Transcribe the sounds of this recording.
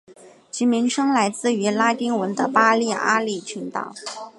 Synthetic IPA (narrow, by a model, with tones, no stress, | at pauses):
t͡ɕi˧˥mi˧˥ŋʂɤ˥ŋla˧˥ɪt͡sɹ̩˥˩y˧˥la˥t̪i˥ŋwə˧˥nd̪ə˧pa˥li˥˩ʔa˥li˥˩t͡ɕʰy˧˥nt̪ɑ̰˥˩ʊ